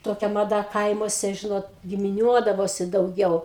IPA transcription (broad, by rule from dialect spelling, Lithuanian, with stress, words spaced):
toːˈkʲɛ mɐˈdɐ ˈkɐɪmuɔsʲɛ ˈʒʲɪnoːt ɡʲɪmʲɪˈnʲuɔdɐʋoːsʲɪ dɐʊˈɡʲɛʊ